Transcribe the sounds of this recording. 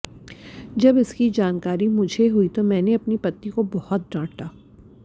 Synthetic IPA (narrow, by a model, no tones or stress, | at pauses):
d͡ʒɐbɪskid͡ʒaːnkaːɾimʊd͡ʒʱeɦuit̪omɛ̃ːneɐpnipɐt̪ːikobɔhɔt̪̚ɖãːʈaː